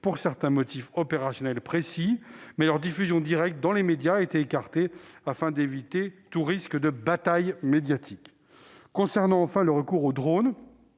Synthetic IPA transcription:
puʁsɛʁt̪ɛ̃mɔt̪ifɔpeʁasjɔnɛlpχesimɛlœʁd̪ifyzjɔ̃d̪iʁɛk̚t̪̚d̪ɑ̃lemed̪jaet̪eːkaʁt̪eafɛ̃d̪evit̪et̪uʁiskd̪əbat̪ajmed̪jat̪ʰikː | ɔ̃sɛʁnɑ̃ɑ̃fɛ̃ləʁəkuʁod̪ʁon

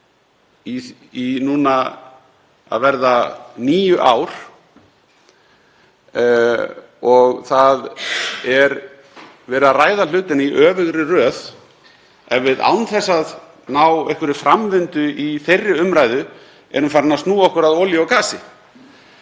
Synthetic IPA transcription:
i | inuːna | a̰ðvɛɾðaniːjʏʔaːwɾ̥ | ɔɣθaðɛɾ | vɛːɾʏðaraːjðalʏːt̪ɪnaiʔœːvɪɣɾɪrœːð | ɛvɪða̰wnθɛsːað | naːwejhkvʏɾɪfɾʔamvɪnt̪ʏʔiθejrːɪʏmɾajðʏ | ɛ̰ɾʏmfaːɾɪnast̪nuːɔhkʏɾaðowljaɔwkaːsɪ

